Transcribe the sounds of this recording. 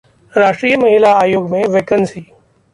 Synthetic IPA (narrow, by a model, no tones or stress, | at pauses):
ɾaːʂʈɾiːəməɦɪlaaːjoːɡmẽʋeːkənsiː